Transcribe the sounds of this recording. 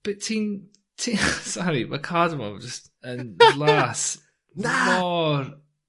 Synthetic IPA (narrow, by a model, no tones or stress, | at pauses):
b̥ɪtʰĩn | tʰisɔɹiməkʰadəmə̰d͡ʒʌst | ə̃nnlˠas | mɔɹ